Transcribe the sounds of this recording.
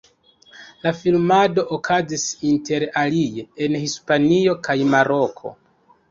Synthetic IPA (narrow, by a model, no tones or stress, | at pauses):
lafilmado̞ʔokʰazisinte̞ɾalijeenhispanio̞kajmaɾo̞kʰo̞̰